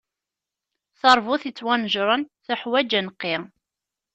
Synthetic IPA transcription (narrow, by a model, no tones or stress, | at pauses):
θəɾˤvʊθit͡sːwænʒɾˤənθəħwæd͡ʒənqːɪ